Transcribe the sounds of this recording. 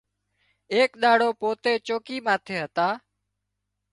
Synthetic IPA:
eːkɗ̪aːɽoːpoːt̪eːt͡ʃoːkiːmãːt̪ʰeːɦət̪aː

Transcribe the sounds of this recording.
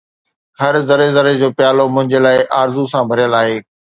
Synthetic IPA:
hɐɾzɐɾezɐɾed͡ʑoːpjaːlomʊ̃ɦɪ̃ɲd͡ʑeːlaːɪʔaːɾzusãbʱɐɾijəlaːɦeː

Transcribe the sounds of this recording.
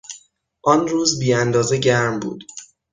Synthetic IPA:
ʔɒnruːzbiːænd̪ɒːzeɟæɾmbṵːd̪̥

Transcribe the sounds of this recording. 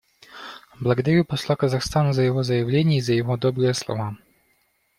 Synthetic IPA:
blˠɐɡɐd̪aɾʲupɔslˠakazaxst̪anuzajɛɣɔzɐjavlʲenʲɛizajɛɣɔd̪ɔbɾɛjɛslˠɔ̰va

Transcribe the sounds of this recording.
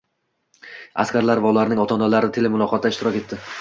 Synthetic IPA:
a̰skʲaɾlaɾvaʊlaɾnɪŋɒt̪ʰɒnalaɾɪt̪ʰe̞lemʊlˠɒqʰɒt̪̚d̪aɪʃt̪ɪɾɒkʲe̞t̪ːɪ

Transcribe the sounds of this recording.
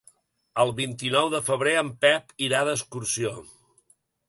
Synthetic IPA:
əlˠβint̪inɔwðəfəβ̞ɾeəmpɛpiɾaðəskuɾsio

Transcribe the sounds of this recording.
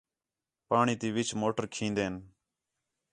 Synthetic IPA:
paːɳiːt̪iːʋɪt͡ʃʰmoːʈəɾkʰĩːnd̪eːn

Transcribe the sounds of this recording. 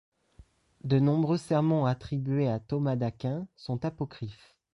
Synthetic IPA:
d̪ənɔ̃bʁøsɛʁmɑ̃at̪χibɥeat̪ɔmad̪akʲɛ̃sɔ̃t̪apɔkχif

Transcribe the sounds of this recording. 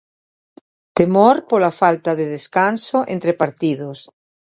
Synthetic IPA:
t̪emoɾpolafalt̪aðeð̞eskansoʔẽnt̪ɾepaɾt̪iðos

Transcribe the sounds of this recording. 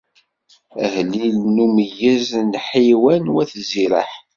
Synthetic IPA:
əhlilnumjəznħiwænwæθziɾə̰ħ

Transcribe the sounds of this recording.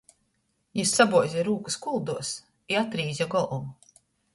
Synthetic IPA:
jisːabuɔjzʲiɾuːkuskulˠd̪uɔs | iat̪ɾiːzʲjaɡɔlˠumu

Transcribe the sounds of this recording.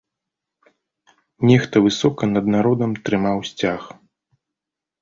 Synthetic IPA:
nʲɛxt̪ɐvɨsɔkɐnɐd̪naɾɔd̪ɐmt̪ɾɨmawsʲt͡sʲax

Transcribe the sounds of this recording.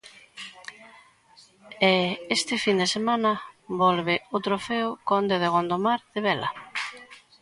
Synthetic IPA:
ɛest̪ɪfind̪esemanɐbɔlβɪot̪ɾofeokond̪eðeɣ̞ond̪omaɾðeβɛlɐ

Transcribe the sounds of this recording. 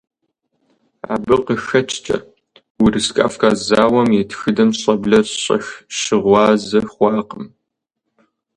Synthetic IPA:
ʕa̰bɨqəxɐt͡ʃʰʼt͡ʃʼɐ̰ | wʊrɨskʼa̰ːfkʼaːzaːwɐmjetʰxɨdɐmɕʼɐbɮɐɕʼɐ̰xʃɪʁʷɑːzɐχʷɑːqəm

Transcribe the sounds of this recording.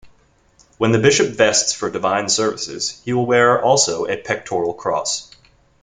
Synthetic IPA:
wə̃nðɨbɪʃɨpv̥ɛstsfə˞dɨvãɪ̃nsɜ˞vɨsɪ̰z̥hiwɪlˠwɛɹʔɔlˠsoʊʔɨpʰɛk̚tʰɔɹl̩ˠkʰɹ̥ɔ̰s

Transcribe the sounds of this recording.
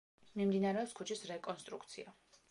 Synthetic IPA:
mimd̪inaɾɛɔpskʰut͡ʃʰisɾɛkʼɔnst̪ʼɾukt̪sʰḭa

